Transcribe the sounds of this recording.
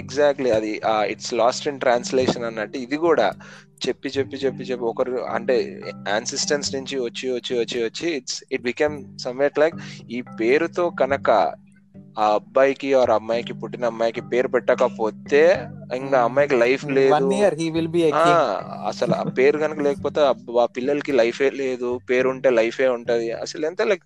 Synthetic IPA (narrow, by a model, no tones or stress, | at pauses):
ɛɡzaːk̚ʈliɐd̪iaiʈslaːsʈinʈɾaːnsleːʃɐnɐnːɐʈːiid̪ikuːɽa̰ː | t͡ʃe̞pːit͡ʃe̞pːit͡ʃe̞pːit͡ʃepːiɔkɐɾɐ̰ɳʈe̞̰ːaːnsisʈɐnsnuɲt͡ʃiʋɐt͡ʃːiʋɐt͡ʃːiʋɐt͡ʃːiʋɐt͡ʃːiːʈsiʈ̚bikeːmsɐmeʈlɐjkiːpe̞ːɾut̪o̞ːkɐnɐkɐ̰ | aːɐbːaːjkiʋaːɾɐmːaːjkipuʈːinɐɐmːaːjkipe̞ːɾupɛʈːaːkɐpo̞ːt̪e̞ːiŋkaːɐmːaːjkilɐjpʰleːd̪uaɾiʋilbiɐaɐ̰sɐlua̰pe̞ːɾuɡɐnɐkɐlɛːkɐpoːt̪eːɐaːpilːɐlɐkilɐjfʰeːleːd̪upe̞ːɾuɳʈe̞ːlɐjfe̞ːuɳʈuːd̪iɐ̰sɐlɛnt̪ɐːlɐjk